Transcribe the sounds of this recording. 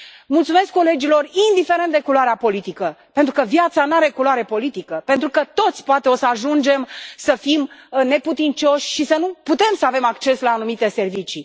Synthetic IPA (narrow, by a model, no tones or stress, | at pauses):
mult̪sume̞skːo̞le̞d͡ʒilo̞rind̪ife̞ɾe̞nt̪d̪e̞kuloaɾeapo̞lit̪ikəpent̪ɾukəvjat̪sanaɾe̞kuloaɾe̞po̞lit̪ikəpent̪ɾukət̪o̞t̪sʲpoat̪eo̞səaʒund͡ʒe̞msəfimne̞put̪int͡ʃo̞ʃʲʃisənuput̪e̞msəave̞makt͡ʃe̞slaːnumit̪e̞se̞rvit͡ʃi